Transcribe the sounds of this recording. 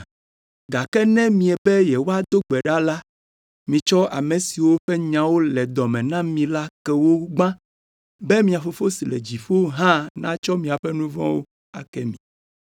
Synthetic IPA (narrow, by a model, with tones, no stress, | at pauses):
ɡa˨kɛ˦nɛ̃˦mĩ˨ɛ˨bɛ˦jɛ˨wo˦a˦d̪o˦ɡ͡bɛ˨ɖa˦la˦ | mĩ˨t͡ʃɔ˦ʔa̰˨mɛ̃˨si˨wo˦ɸɛ˦ɲã˨wo˦lɛ˨d̪ɔ˨mɛ̃˨nã˦mĩ˨la˦kɛ˦wo˦ɡ͡bã˦ | bɛ˦mĩ˦a˨fo˦fo˦si˨lɛ̰˨d͡ʑi˨ɸo˦ɦã˦nã˦t͡ʃɔ˦mĩ˨a˨ɸɛ˦nũ˦vɔ̰̃˦wo˦ | a̰˨kɛ˦mĩ˨